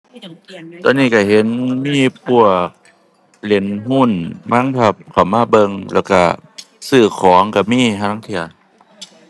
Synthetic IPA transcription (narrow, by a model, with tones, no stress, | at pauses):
t̪ɔ̰˧˨nːiː˧˥˩ka˧˩ɦe˨˦nmiː˧˥˨p̚u˧˩ək̚ | le˨˩˦nhu˧˥˩nma˧˥˨ŋpʰa˧˩p̚kʰa˨˩wmaː˧˥˨bɤ˧ŋlɛː˧˩wka̰˧˩ | sɯː˧˩kʰɔː˨˩˦ŋka˧˩miː˧˥˨ɦaː˧˥˨ŋt̪ʰi˧˩ɐ